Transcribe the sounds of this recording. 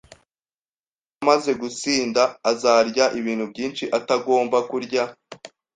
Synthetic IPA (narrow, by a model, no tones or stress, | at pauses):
amaze̞ɡut͡siːndaːzaːɾɟaʔiβiːn̥hubɟiːnʃiʔataɡo̞ːmbakuɾɟa